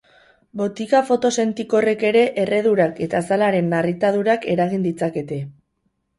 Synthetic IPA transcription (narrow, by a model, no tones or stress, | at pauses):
bo̞t̪ikafo̞t̪o̞se̞nt̪iko̞re̞ke̞ɾe̞ʔere̞ðuɾake̞t̪asalaɾe̞nːarit̪aðuɾake̞ɾaɣ̞ind̪it͡sake̞t̪e̞